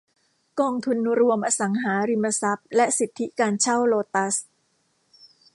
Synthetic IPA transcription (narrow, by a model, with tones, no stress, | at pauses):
kɔː˧ŋt̪ʰu˧nɾu˧əmʔaː˧sa˩˦ŋɦaː˩˦ɾi˧mːa˧sa˦˥p̚lɛ˦˥ʔsi˨˩t̪ʰːi˦˥kaː˧nt͡ɕʰa˥˩wloː˧t̪a˦˥s